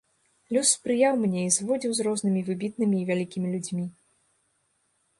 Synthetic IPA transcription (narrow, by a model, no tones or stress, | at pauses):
lʲusːpɾɨjawmnʲɛizvɔd͡zʲiwzrɔznɨmʲivɨbʲit̪̚nɨmʲiːvʲalʲikʲimʲilʲud͡zʲmʲi